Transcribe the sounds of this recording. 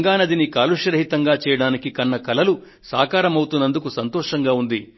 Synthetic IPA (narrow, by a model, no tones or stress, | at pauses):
ŋɡaːnɐd̪inikaːluʃɐɾɐɦit̪ɐŋɡaːt͡ʃɛːjɐɽaːnikikɐnːɐkɐlɐlu | saːkaːɾɐmɐwut̪unːɐnd̪ukusɐnt̪ɔːʂɐŋɡaːund̪i